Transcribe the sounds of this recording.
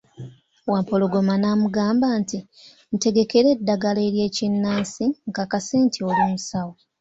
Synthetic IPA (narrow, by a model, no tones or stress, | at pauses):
waːmpo̞loɡo̞manaːmuɡaːmbaːnti | n̩te̞ɡe̞ke̞ɾe̞dːaɡale̞ːɾje̞ːcinːaːnsiŋɡaːkaseːntʰioluːmusawo